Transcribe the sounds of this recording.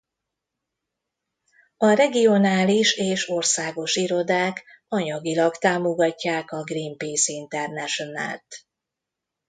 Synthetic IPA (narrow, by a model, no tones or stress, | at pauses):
ɒrɛɡio̞naːliʃeːʃo̞rsaːɡo̞ʃiɾo̞d̪aːk | ɒɲɒɡilɒkt̪aːmo̞ɡɒcːaːkɒɡrimpiːsint̪ɛrnɛʃo̞na̰lt̪